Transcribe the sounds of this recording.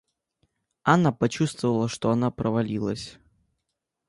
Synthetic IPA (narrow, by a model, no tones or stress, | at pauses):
anapɐt͡ɕust̪vəvəlˠəʂt̪oɐnapɾəvɐlʲilˠəsʲ